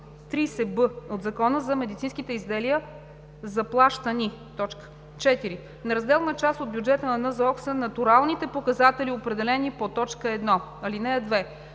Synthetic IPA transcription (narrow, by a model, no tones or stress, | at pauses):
t̪ɾisɛbɤod̪zɐkɔnəzɐmɛd̪it̪sinskit̪ɛizd̪ɛlijə | zɐplˠaʃt̪ənit̪ɔt͡ʃkə̥ | t͡ʃɛt̪iɾi | nɐɾɐzd̪ɛlˠnət͡ʃast̪od̪bjud͡ʒɛt̪ənɐnəzɐɔksənɐt̪uɾalˠnit̪ɛpokɐzat̪ɛliopɾɛd̪ɛlɛnipot̪ɔt͡ʃkəɛd̪nɔ | ɐlinɛəd̪vɛ